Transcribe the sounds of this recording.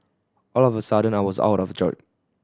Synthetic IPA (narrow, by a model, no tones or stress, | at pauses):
ɔlɔvəsadə̃naɪwɔza̰ʊɾɔvd͡ʒɔ̰ɪt